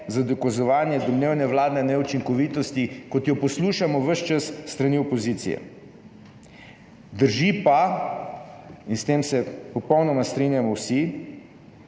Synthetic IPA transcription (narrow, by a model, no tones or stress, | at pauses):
zad̪ɔkazɔʋaːnjɛd̪ɔmleːwnɛʋlaːd̪nɛnɛut͡ʃiŋkɔʋit̪ɔst̪ikɔt̪jɔpɔsluːʃamɔʋəʃt͡ʃəsːt̪ɾaniɔpɔziːt̪sḭjɛ̰ | d̪əɾʒipa | inst̪eːmsɛpɔpɔwnɔmast̪ɾinjamɔwsi